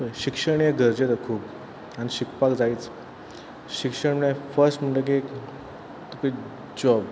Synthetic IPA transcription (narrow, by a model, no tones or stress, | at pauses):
pəɕikʂəɳ̃ijəɡʱəɾd͡ʑet̪əkʰuːp | añiɕikpakd͡zait͡s | ɕikʂəɳmefəɾsʈm̤əɳʈek̬ik | t̪uki | d͡ʑɔb